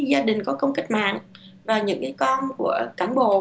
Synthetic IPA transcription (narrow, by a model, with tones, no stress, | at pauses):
zaː˧ɗï˨˩ŋ̟kɔ˨˦kə˧wŋ͡mkï˦˥k̟̚ma̰ː˧˨ŋ | vaː˨˩ɲɨ̰˧˥ŋkaː˨˦jkɔ˧nku˧˩əkaː˧˩nɓo̰˧˨